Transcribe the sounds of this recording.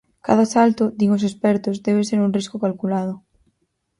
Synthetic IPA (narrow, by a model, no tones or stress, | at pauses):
ka̰ðasalt̪od̪iŋos̬espɛɾt̪ozd̪eβ̞eseɾunriskokalkulað̞ʊ